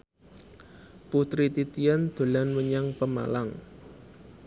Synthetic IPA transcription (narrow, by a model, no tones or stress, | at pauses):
put̪ɾit̪it̪iand̪̥o̤lanwəɲaŋpəma̰laŋ